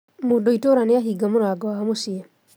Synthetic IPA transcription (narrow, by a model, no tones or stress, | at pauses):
modoitoɾaneaɦiɡamoɾaɡɔahamosia